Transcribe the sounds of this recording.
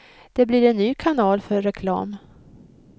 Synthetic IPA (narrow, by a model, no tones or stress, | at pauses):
d̪̥ɛbliɾɛnːyːkʰanɑːlfœɾːɛkʰlɑ̰ːm